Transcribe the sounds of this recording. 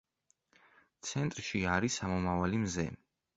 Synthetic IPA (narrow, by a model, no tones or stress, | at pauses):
t̪sʰɛnt̪ʼɾʃiaɾisamɔmavalimzɛ̰